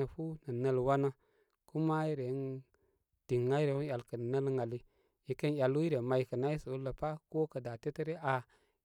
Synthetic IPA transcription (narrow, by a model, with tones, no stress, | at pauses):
ə˨fu˦nə˨nə˦lwa˦na˦ | ku˦ma˦i˦ɾe˨˦n | d̥i˨ŋːa˦i˦ɾe˨˦u˦ja˨lkə˨n˨nə˦lŋa˨li˦ | ji˨ke˦n˨ja˨lwu˦i˦ɾe˨ma˨ji˨kə˨na˦i˦sə˨u˦lə˨pa˦ko˦kə˨da˨te˦te˦ɾe˦a˨